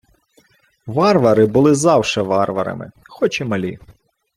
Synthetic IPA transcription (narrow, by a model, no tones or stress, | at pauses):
ʋɑrʋɐɾɪbʊlˠɪzɑwʃɛʋɑrʋɐɾɐ̰mɪ̰ | xɔt͡ʃɪmɐlʲḭ